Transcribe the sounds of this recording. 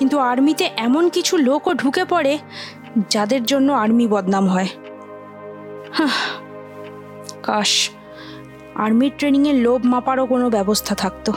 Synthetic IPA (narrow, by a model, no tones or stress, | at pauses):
kint̪uaɾmit̪eʔɛmonkit͡ɕʰulokoɖʱukepɔɽe | d͡ʑad̪eɾd͡ʑonːoaɾmibɔd̪namɦɔe | ha | kaʃ | a̰ɾmiɾʈɾeniŋelobmapaɾokonobɛbost̪ʰat̪ʰak̚t̪o